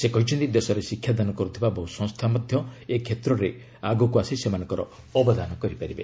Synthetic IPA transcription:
sekɔɦit͡ʃʰɔnt̪id̪esɔɾesikʰjad̪anukɔɾut̪ʰibabɔɦusɔ̃ŋst̪ʰamɔd̪ʱjɔekʰet̪ɾɔɾe | aɡɔkuasisemanɔ̃ŋkɔɾɔ̰ | ɔbɔd̪anɔkɔɾipaɾibe

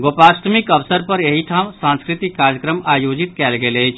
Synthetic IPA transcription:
ɡopast̪ʰmikəʋsəɾpəɾeɦiʈʰamsãnskɾit̪ikːaɾjəkɾəmajod͡ʒit̪kɛlɡeləjt͡ʃʰ

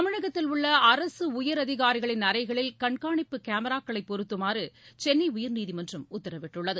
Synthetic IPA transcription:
ɐmɐɳɐɣɐt̪ːɪlʊɭːɐɐɾɐsɯʊjɐɾɐðɪɣaːɾɪɣɐɭɪnɐɾɐɪɣɐɭɪlkɐɳkaːɳɪpːɯkaːmɐɾaːkːɐɭɐɪpːɔɾɯt̪ːɯmaːɾɯt͡ʃɛnːiʊjɐɾniːðimɐndrɐmʊt̪ːɐɾɐʋɪʈːɯɭːɐðɯ

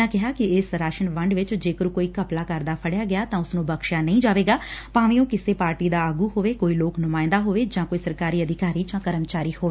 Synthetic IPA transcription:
ãːkɪɦaːkɪɪsɾaːʃənʋəɳɖʋɪt͡ʃd͡ʒeːkəɾuːkoːiːkəplaːkəɾd̪aːpʰəɽjaːɡɪjaːt̪ãːʊsnũːbəkʃaːnəĩːd͡ʒaːʋeːɡaːpãːʋẽːõːkɪseːpaːɾʈiːd̪aːaːɡuːɦoːʋeːkoːiːloːknʊmãːɪ̃nd̪aːɦoːʋeːd͡ʒãːkoːiːsəɾkaːɾiːəd̪ʱɪkaːɾiːd͡ʒãːkəɾəmt͡ʃaːɾiːhoːeː

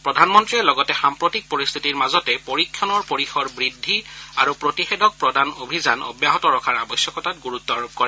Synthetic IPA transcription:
pɹɔdʱanmɔntɹiɛlɔɡɔtɛxampɹotik̚poɹist̪ʰitiɹmazɔtɛpoɹikʰjɔnɔɹpoɹixɔɹbɹidʱːiaɹupɹotixedɔk̚pɹɔdanobʱizanɔ̰bjaɦɔtɔɹɔkʰaɹa̰bɔsjɔkɔtatɡuɹut̪ːɔɹub̚kɔɹɛ

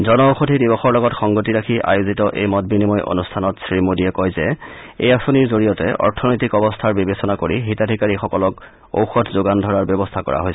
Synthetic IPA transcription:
zɔnɔoxotʰidibɔxɔɹlɔɡɔtxɔŋɡotiɹakʰiʔa̰jozitɔʔḛjmɔt̚binimɔjʔo̰nustʰanɔtsɹimodiɛkɔjzɛ | ḛjasoniɹzoɹijɔtɛ̰ʔɔ̰ɹtʰɔnojtikɔbɔstʰaɹbibesɔnakoɹiɦitadʱikaɹixɔkɔlɔk | o̰wxɔtʰzoɡandʱɔɹaɹbjɔbɔstʰakɔ̰ɹa̰ɦojs

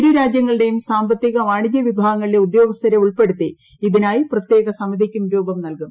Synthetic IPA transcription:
ɾuɾaːd͡ʑjɐŋːɐɭiɽe̞jumsaːmbɐt̪ːiɣɐʋaːɳiɡjɐʋibʱaːɣɐŋːɐɭile̞ud̪jo̞ːɡɐst̪ʰɐɾeuɭpe̞ɽut̪ːi | iðinaːjiprɐt̪je̞ːɣɐsɐmːɐd̪ʱikʲːumɾoːbɐmnɐlkum

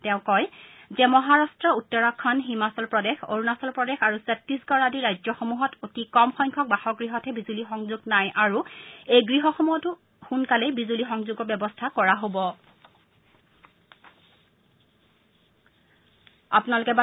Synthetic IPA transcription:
tɛ̃ʊ̃kɔjzɛmɔɦaɹastɹɔutːɔɹakʰːɔnɦimasɔlpɹɔdexo̰ɹunasɔlpɹɔdexaɹusɛtːisɡɔɹadiɹajzɔxomuɦɔtʰotikɔmxɔjŋkʰɔk̚baxɔɡɹiɦɔtʰɛbizulixɔŋzuɡnajʔaɹuejɡɹiɦɔxomuɦɔtu | xunkalɛbizulixɔŋzuɡɔbjɛbɔstʰakɔɹaɦobɔ | a̰pʊnalʊkɛba

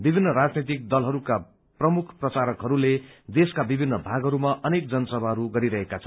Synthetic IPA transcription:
bibʱinːʌɾad͡znet̪̬ik̚d̪ʌlɦʌɾuka | prʌmukʰprʌt͡saɾʌkɦʌɾuled̪eskabibʱinːʌbʱaɡɦʌɾumaʔʌnekd͡zʌnʌsʌbʱaɦʌɾuɡʌɾiɾʌɦekat͡sʰʌn

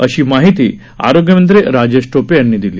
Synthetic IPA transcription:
əɕiːmaɦit̪iː | a̰ɾoɡjəmənt̪̬ɾeɾad͡ʑesʈopejanːiːd̪iliː

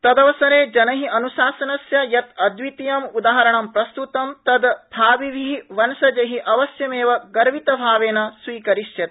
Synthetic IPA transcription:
t̪ɐd̪ɐʋɐsɐɾeːd͡ʒɐnɐɦiʔɐnuʃaːsɐnɐsjɐjɐt̪ɐd̪ʋit̪ijɐmud̪aːɦɐɾɐɳɐmpɾɐst̪ut̪ɐmt̪ɐd̪bʱaːʋiʋiiʋɐnsɐd͡ʒɐɦiʔɐʋɐsjɐmeːʋɐɡɐɾʋit̪ɐbʱaːʋeːnɐsʋiːkɐɾiʃjɐt̪

